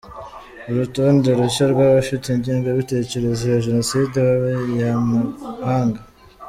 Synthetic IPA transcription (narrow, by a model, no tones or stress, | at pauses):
uɾutoːndeɾuɕaɾɡwaːβaʃutiɲɟiːŋɡaβite̞ce̞ɾe̞zeβaʒe̞no̞sideβaβajamahaːŋɡa